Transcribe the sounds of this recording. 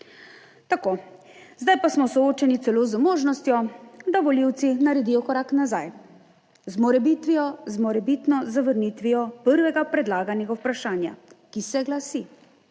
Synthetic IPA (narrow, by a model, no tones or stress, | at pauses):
t̪ako | zd̪ajpasmɔsɔoːt͡ʃɛnit̪sɛloːzmoːʒnɔst̪jɔd̪aʋɔliwt̪sinaɾɛd̪ijɔkɔɾaknazaj | zmɔɾɛbit̪ʋijɔzmɔɾɛbit̪nɔzaʋəɾnit̪ʋijɔpəɾʋɛɡapɾɛd̪laːɡanɛɡawpɾaʃaːnja̰kisɛɡlasi